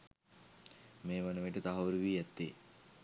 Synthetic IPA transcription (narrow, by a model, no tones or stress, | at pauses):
meːʋanəʋeʈət̪aɦɐʋuɾiʋiːɛt̪ːe